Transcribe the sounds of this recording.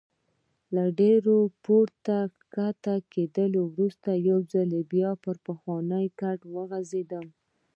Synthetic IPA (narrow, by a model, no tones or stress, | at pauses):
laɖeɾopoɾt̪akat̪aked̪əlowɾust̪ajawzalebjɑpəɾpəxwɑnəjkaʈwəɣazed̪əm